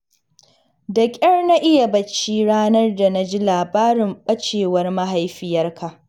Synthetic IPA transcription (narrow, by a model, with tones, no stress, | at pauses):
dɐ˨kʲʼɐ˦rna˦ʔɪ˦ja˨bɐ˨t͡ʃːiː˦ɽaː˦nɐ˦rda˨na˦d͡ʒi˦laː˨baː˦ɾɪ˨mɓɐ˦t͡ʃeː˨wɐ˦rma˦ɦa˦jɸɪ˦jɐ˦rkʰa˨ʔ